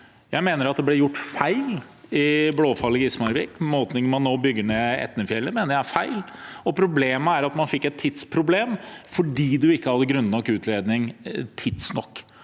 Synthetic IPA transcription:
jæɪmeːnəɾɑt̪̚d̪ɛblɛɾjʊʈːfæɪlɪbloːfɑlːɪɡɪsmɑɾbɪkːmoːt̪nɪŋmɑnːoːbʏɡːəɳeːɛ̰t̪ːnəfjɛlːəmɛːnəæfæɪlɔpʰɾʊbleːməæɾɑt̪mɑnfɪkːɛt̪ʰːɪt̪spʰɾʊbleːmfɔɖiːd̪ʉɪkːəhɑd̪ːəɡɾʉnːnɔkʉːt̪ʰleːd̪nɪŋt̪ʰɪd̪snɔ̰kː

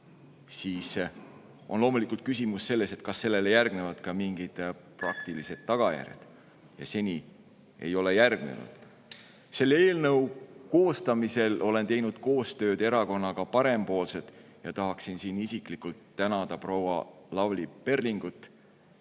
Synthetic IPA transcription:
siːs | ʔo̞̰nlo̞ːmulikːˑult̪̚kysimusːe̞lːe̞se̞t̪̚kɑsːe̞lːe̞lejærɡne̞vɑd̪̥kɑmiŋɡ̥id̪̥prɑkt̪ilise̞d̪̥̚ːɑɡ̥ɑjæ̰rʲjɑ̰d̪̥ | jɑ̰se̞nʲi | e̞̰jo̞le̞jærɡ̥nḛnṵd̪̥ | se̞lːe̞ːlnɤwko̞ːst̪ɑmise̞lo̞le̞nt̪e̞jnud̪̥ko̞ːst̪ø̞ːd̪e̞ɾɑko̞nːɑkɑpɑɾe̞mpo̞ːlse̞t̪ˑ | jɑt̪ɑɦɑksinsiːnisiklikːult̪ːænɑd̪̥ɑpro̞wɑ̰lɑvlipe̞rliŋɡ̥ut̪ːˑ

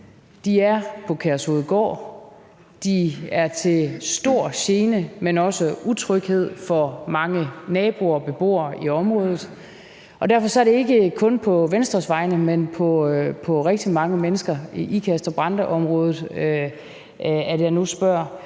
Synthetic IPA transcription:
d̥iæɐpʰɒ̽kʰæɐsoːð̩ˠɡ̥ɒ̰ː | d̥iæɐt͡sʰe̝sd̥o̝ɐ̰ɕe̝ːnəmenɒ̽səut͡sʰʁœɡ̥he̝ð̞̰ˠfɒ̽mɑ̈ŋənɛːb̥o̝ɐb̥e̝b̥o̝̰ːɐiɒ̽mʁɔ̽ːð̞ˠð̩ˠ | ʔɒ̽d̥æɐfɒ̽sɒ̽æɐɾ̥e̝e̝ɡ̥əkʰɔ̽npʰɒ̽ʋensd̥ʁɐsʋɑ̈ɪnəmenpʰɒ̽pʰɒ̽ʁɛɡ̥̚d̥imɑ̈ŋəmenəsɡ̥ɐiʔikʰæsd̥ʁɐb̥ʁɑ̈nd̥əʔɒ̽mʁɔ̽ːðˠð̩ˠ | æd̥jɑ̈ɪnusb̥ɶɐ̰

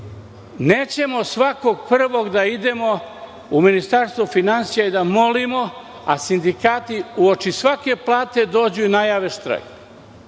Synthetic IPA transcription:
neːt͡ɕe̞mo̞sʋako̞ɡpr̩ʋo̞ɡd̪aid̪e̞mo̞ | uminist̪aɾst̪ʋufinansijaid̪amo̞limo̞ | asind̪ikaːt̪iuot͡ʃisʋake̞plˠaːt̪e̞d̪o̞ːd͡ʑuinajaːʋeʃt̪ɾa̰j

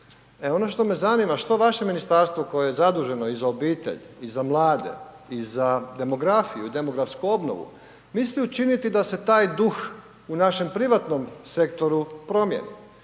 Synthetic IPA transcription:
eo̞no̞ʃt̪o̞me̞zaniːmaʃt̪o̞ʋaʃe̞minist̪aɾst̪vʋo̞ko̞jejezad̪uʒe̞no̞izao̞biːt̪e̞̰ʎizamlˠaːd̪e̞̰izad̪e̞mo̞ɡɾafijuid̪e̞mo̞ɡɾafskuo̞bno̰ʋṵ | misliut͡ʃinit̪id̪aset̪aːjd̪ux | unaʃe̞mpɾiʋat̪no̞mse̞k̚t̪o̞ɾupɾo̞mjḛnḭ

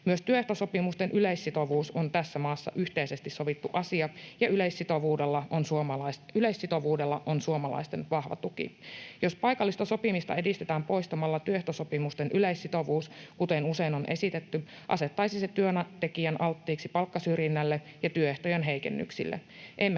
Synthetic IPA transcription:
myøst̪yøeht̪oso̞pimust̪enʔyleisːit̪oʋuːsont̪æsːæmɑːsːɑ̰ʔyht̪eise̞st̪isso̞ʋit̪ːuʔɑsiɑjɑyleisːit̪o̞ʋuːde̞lːɑʔonsuoɑlɑsyleisːit̪o̞ʋuːdelːɑʔonsuomɑlɑ̰ist̪e̞nʋɑhʋɑ̰t̪ukḭjo̞spɑjkɑlːist̪ɑso̞pimist̪ɑ̰e̞dist̪et̪æːmpo̞ist̪ɑmɑlːɑt̪yøeht̪osopimust̪enʔyleisːit̪o̞ʋuːskut̪enuse̞inonʔe̞̰sit̪et̪ːy | ʔɑ̰set̪ːɑisiset̪yønɑt̪e̞kiænʔɑlt̪ːiːksipɑlkːɑsyrjinːælːejɑt̪yøeht̪ojenɦe̞ikḛnːy̰ksḭlːḛʔemː

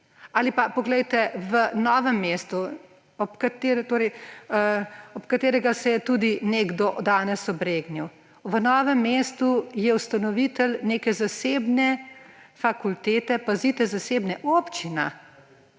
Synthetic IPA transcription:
aːlipapɔɡlɛjt̪ɛʋənɔːʋɛmːeːst̪u | ɔpkat̪eːɾɛt̪oːɾɛjəɔpkat̪eːɾɛɡasɛjɛt̪ud̪ineɡd̪ɔd̪aːnɛsɔbɾeːɡniw | ʋənɔːʋɛmːeːst̪ujɛust̪anɔʋit̪ɛlneːkɛzaseːbnɛfakult̪eːt̪ɛpazit̪ɛzaseːbnɛʔoːpt͡ʃina̰

